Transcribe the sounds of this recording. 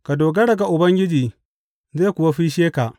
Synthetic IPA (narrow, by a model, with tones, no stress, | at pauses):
ka˨doː˨ɡa˦ɽɐ˨ɡa˨ʔʊ˨bɐ˦ŋɡʲɪ˦d͡ʒiː˨ | zeː˦˨kʷʊ˨wa˦ɸiː˦ʃeː˦ka˨ʔ